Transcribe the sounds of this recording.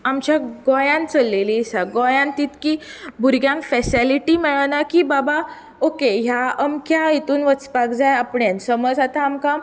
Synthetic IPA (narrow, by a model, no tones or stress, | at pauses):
amt͡ɕjaɡɔjãnt͡səlːelisaɡɔjãnt̪iːt̪kibʱuɾɡjãŋkfɛsiliʈimɛɭanakibaba | okeɦjaəmkʰjait̪uːnʋət͡spakd͡zajapɳjansəməd͡zat̪ãːmkã